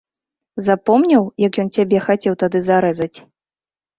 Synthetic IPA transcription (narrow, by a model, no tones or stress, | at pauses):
zapɔmnʲɐwjɐkjɔnt͡sʲabʲɛxat͡sʲɛwt̪ad̪ɨzaɾɛzɐt͡sʲ